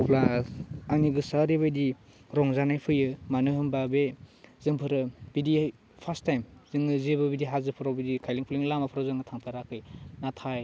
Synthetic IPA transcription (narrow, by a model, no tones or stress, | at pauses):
pʰlasaniɡɯsaɾibajdi | ɾɔŋzanajpʰɯjɯmanɯɦɯmbabezɯŋpʰɯɾɯb̥idi | pʰastajmzɯŋɯzebɯbidiɦazɯpʰɯɾawbidikʰajliŋpʰliŋlamapʰɯɾawzɯŋɯtʰaŋpʰaɾakʰɯjnatʰaj